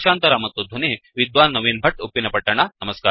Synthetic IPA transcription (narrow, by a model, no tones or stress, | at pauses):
ɕant̪ɐɾamɐt̪od̪ʱuneʋid̪ʋanːɐʋinbʱəʈupinɐpɐʈːaɳ̃anɐməska̰ːɾ